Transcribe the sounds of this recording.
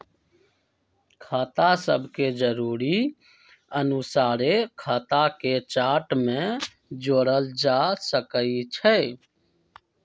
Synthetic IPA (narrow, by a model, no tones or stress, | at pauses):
kʰaːt̪asəbʱked͡ʒəɾuːɾi | ənusaːɾekʰaːt̪aket͡ʃaːʈmẽ | d͡ʒoːɽəld͡ʒasəkəit͡ʃʰə